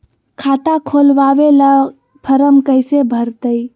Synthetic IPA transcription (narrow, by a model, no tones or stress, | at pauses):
kʰat̪akʰolʋaʋela | pʰəɾəmkəjsebʱəɾt̪əj